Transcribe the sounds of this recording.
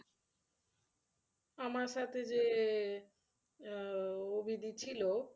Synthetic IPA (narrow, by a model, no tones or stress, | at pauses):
amaɾʃat̪ʰed͡ʑe | obʱid̪it͡ɕʰilo